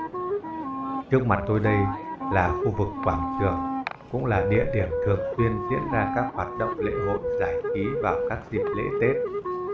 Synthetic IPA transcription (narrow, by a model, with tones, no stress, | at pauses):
t͡ɕɨ˦˥ək̚ma˨˩t̚t̪o˧jɗə˧jlaː˨˩xu˧vɨ˨˩kːwaː˧˩ŋt͡ɕɨ˨˩əŋkʊ̰˧˥ŋ͡mlaː˨˩ɗḭ˧˨əɗi˧˩ənt̪ʰɨ˨˩əŋswi˧ənzḭ˧˥ənzaː˧kaː˦˥k̚hwaː˨˩t̚ɗə̰˧˨wŋ͡mlḛ˧˥ɦo̰˧˨nzaː˧˩jxi˨˦vaː˨˩wkaː˦˥k̚zi˨˩p̚lḛ˧˥t̪e˦˥t̚